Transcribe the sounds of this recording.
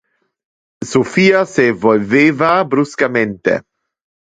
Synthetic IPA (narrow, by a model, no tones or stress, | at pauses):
sofiːasevolveːvabɾuskament̪ḛ